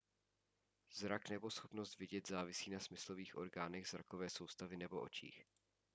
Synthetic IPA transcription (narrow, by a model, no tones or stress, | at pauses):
zɾaknɛbosxopnost̪vɪɟɛt̪zaːvɪsiːnasmɪsloviːxʔo̞̰ɾɡaːnɛɣz̥ɾa̰kovɛːsowst̪avɪnɛbo̞ʔo̞̰t͡ʃḭːx